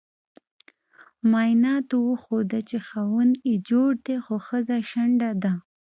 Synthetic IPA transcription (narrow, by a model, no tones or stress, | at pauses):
mɑjnɑt̪owəxod̪at͡ʃexawəned͡ʒoɽd̪exoxəzaʃaɳɖad̪a